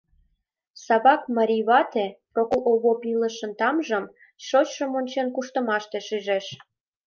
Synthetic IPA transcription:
sɑβɑkmɑɾʲiβɑt̪eprokoβopiləʃə̆nt̪ɑmʒə̆m | ʃot͡ɕʃəmonʲt͡ɕenkuʃt̪ə̆mɑʃt̪eʃyʒeʃ

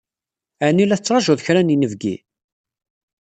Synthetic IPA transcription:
ænilæθt͡sːɾˤɑʒʊðˤçɾæninəvɡḭ

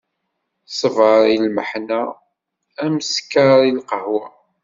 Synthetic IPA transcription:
sˤəvəɾˤilməħnæ | æməskːəɾilqəɦwæ

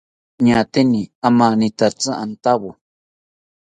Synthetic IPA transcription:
ɲãt̪enĩamãnĩt̪at͡sãʔant̪aβo

